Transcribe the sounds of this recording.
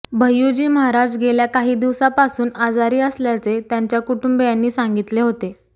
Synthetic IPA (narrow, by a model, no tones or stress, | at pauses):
bʱəjːud͡ʑiːməɦaɾad͡ʑɡeljakaɦiːd̪iʋsapasuːnad͡zaɾiːəsljat͡set̪jaɲt͡ɕjakuʈumbejanːiːsaŋɡit̪leɦot̪e